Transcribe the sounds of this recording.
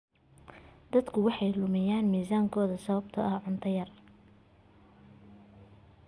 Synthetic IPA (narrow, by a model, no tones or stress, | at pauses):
d̪̥ɐd̪kʰʊwɑħɑjlʊmɪjaːnmiːsaːŋkʰɔːðɐsɐβɐb̚t̪ʰɐʔɐhʕʊnt̪ʰɐjɐr